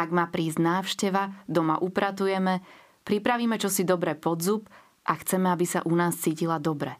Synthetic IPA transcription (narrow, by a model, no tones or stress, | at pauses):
aɡmaːpɾiːzɟnaːfʃcɛʋad̪ɔmaʔupɾat̪ujɛmɛ | pɾipɾaʋiːmɛt͡ʃɔsid̪ɔbɾɛpɔd̪zup | ʔaxt͡sɛmɛabisa̰ʔunaːst͡siːcilad̪ɔbɾɛ